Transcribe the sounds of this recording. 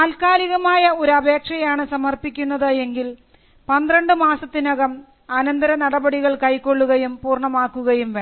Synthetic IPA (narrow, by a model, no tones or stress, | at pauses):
aːlkaːliɣɐmaːjɐo̞ɾuɐbʱe̞ːkʂɐjaːɳɨsɐmɐrpikʲːunːɐðɨe̞ŋɡil | pɐnd̪rɐɳɖɨmaːsɐt̪ːinɐɣɐm | ɐnɐnd̪ɐɾɐnɐɽɐbɐɽiɣɐɭkɐjkːo̞ɭːuɣɐjumpuːrɳɐmaːkːuɣɐjumʋe